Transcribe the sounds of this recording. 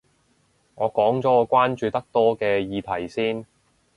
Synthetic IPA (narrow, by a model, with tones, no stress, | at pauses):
ŋɔː˨˧kɔː˨˥ŋt͡sɔː˨˥ɔː˨˧kʷwaː˥nt͡ʃyː˧t̪ɐ˥k̚t̪ɔː˥kɛː˧jiː˨˧t̪ʰɐ˨˩jsiː˥n